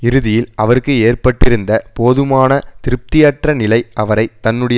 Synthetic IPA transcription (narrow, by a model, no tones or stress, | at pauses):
ɪɾɯðɪjɪlɐʋɐɾɯkːɯeːrpɐʈːɪɾɯnd̪ɐpoːðɯmaːnɐt̪ɪɾɯp̚t̪ɪjɐʈrɐnɪlɐɪɐʋɐɾɐɪt̪ːɐnːɯɽɐj